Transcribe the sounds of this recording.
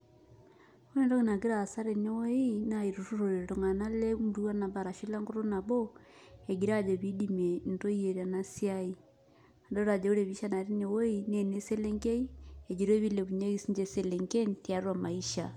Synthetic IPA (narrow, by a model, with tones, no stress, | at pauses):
u˦ne˦ndo˦kina˨ɡi˦ɾa˨sa˦ɾe˨ɲo˦wo˦ina˨iɾuɾu˦ɾoɾeɾo˨ŋa˨na˦le˦mu˨ɾua˦na˨βa˨ɾa˨ʃi˦la˦ŋɡo˦ɾo˦na˨βo˦eɡi˨ɾad͡ʒe˨βi˦dime˨nto˦ie˨ɾa˨nasiai˦ | a˨ndo˦ɾa˨d͡ʒa˨u˦ɾe˨βi˦ʃa˦na˨ɾe˦ɲo˨wo˦ine˨ne˦se˦le˦ŋke˦i˦ed͡ʒi˨ɾo˦e˦βi˦le˨βu˨ɲo˦isiɲd͡ʒeseleŋɡe˦ntjaɾwa˨ma˨iʃa